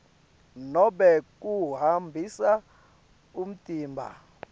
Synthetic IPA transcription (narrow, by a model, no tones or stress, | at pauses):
nɔɓɛk̬ʼuɦambʱisa | um̩tʼiːmbʱa̰